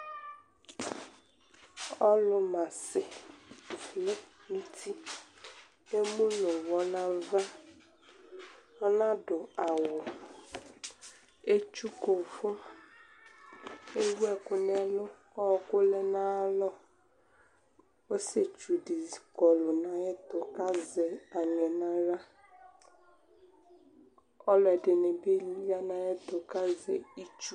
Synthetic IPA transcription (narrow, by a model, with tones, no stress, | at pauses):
ɔ˦lʊ˨mã˨sɪ˨ | fle˦ŋũ˦t̪i˦ | e˦mũ˦nʊ̃˨wɔ˦nã˦va˦ | ɔ˦nã˦ɖo˨a˨wo˨ | e˦t͡ʃu˦ko˨fo˦ | e˦wɛ˦˨kʊ˨nɛ˨lʊ˦ | ɔ˦˨kʊ˦lɛ˦na˨˦lɔ˦ | o˦se˨t͡ʃu˨di˨zi˨kɔ˨lʊ˨na˨ɛ˦t̪ʊ˨ka˦zɛ˨a˨ɲɛ˨na˦ɾa˦ | ɔ˦lɔ˨ɛ˨dɪ˨ne˨be˦ja˦na˨ɛ˦t̪ʊ˨ka˦zḛ˨i˦t͡ʃu˦